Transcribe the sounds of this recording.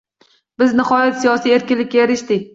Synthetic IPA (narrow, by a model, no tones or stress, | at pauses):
b̥ɪznɪχɒjat̪sijɒsije̞ɾkʲɪnlɪkʲːajaɾɪʃt̪ɪkʲ